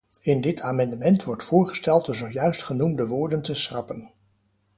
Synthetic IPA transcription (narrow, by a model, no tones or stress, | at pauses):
ɪndɪtʰaːmɑndəmɛntʋɔɹtfʊːɹχəstɛlˠtəzowjœɥstχənumdəʋʊːɹdəntəsrɑpən